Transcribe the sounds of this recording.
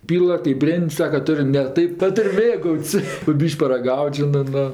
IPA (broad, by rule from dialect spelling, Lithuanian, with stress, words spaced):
ˈpʲiːlˠɐ kɜp ˈbʲrʲeːnʲtʲ ˈsɑːkɐ ˈtʊrʲ nʲɛ ˈtɐɪp ˈtʊ ˈtʊrʲ ˈmʲeːɡɐʊtʲsʲ poː ˈbʲiːʃʲkʲ pɐrɐˈɡɐʊtʲ ˈʒʲɪnɜ ˈnʊ